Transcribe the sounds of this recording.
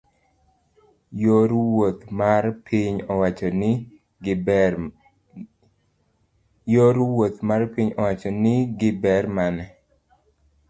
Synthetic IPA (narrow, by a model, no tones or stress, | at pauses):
joɾwot̪marpʰiɲɔwat͡ʃɔnɪ | joɾwot̪marpiɲɔwat͡ʃɔnɪɡɪbɛrmanɛ